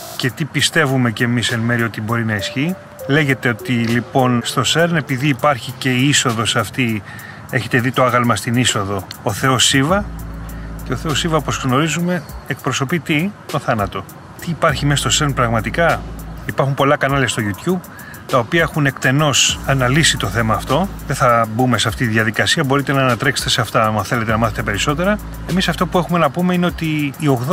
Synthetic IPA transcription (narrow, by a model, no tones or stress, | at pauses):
ce̞t̪ipist̪e̞vume̞cemisenme̞ɾio̞t̪ibo̞ɾinɐisçi | le̞ʝe̞t̪e̞o̞t̪ilipo̞nst̪o̞se̞ɾne̞piðiːpɐɾçice̞iiso̞ðo̞sɐft̪i | e̞çe̞t̪e̞ðit̪o̞ɐɣɐlmɐst̪iniso̞ðo̞oθe̞o̞sivɐ | ce̞oθe̞o̞sivɐopo̞zɣno̞ɾizume̞ek̚pɾo̞so̞pit̪it̪o̞θɐnɐt̪o̞ | t̪iːpɐɾçimest̪oseɾnpɾɐɣmɐt̪ikɐipɐɾxumpo̞lɐkɐnɐlest̪o̞ʝut̪jub̚ | t̪ɐopiɐexune̞kt̪e̞no̞sɐnɐlisit̪o̞θe̞mɐːft̪o̞ðeθɐbume̞seɐft̪it̪iðʝɐðikɐsiɐbo̞ɾit̪e̞nɐːnɐt̪ɾekse̥t̪e̞seɐft̪ɐɐmɐθe̞le̞t̪enɐmɐθet̪e̞pe̞ɾiso̞t̪e̞ɾɐ | e̞misɐft̪o̞puexume̞nɐpumeine̞ot̪iːo̞ɣð